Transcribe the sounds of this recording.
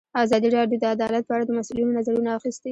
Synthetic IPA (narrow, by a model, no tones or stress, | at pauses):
azɑd̪iɾɑɖjod̪əad̪ɑlat̪̚pəaɽad̪əmasulinonazaɾunaːxist̪i